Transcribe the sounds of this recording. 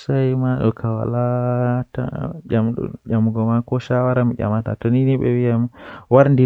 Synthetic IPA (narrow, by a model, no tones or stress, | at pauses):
sajmaɗɔ̰kʰawa̰lata̰d͡ʒamɗɔ̰ɗamɡɔmakɔʃawaɾamiɟʲa̰mata̰tɔniniɓɛ̰wijamwaɾndi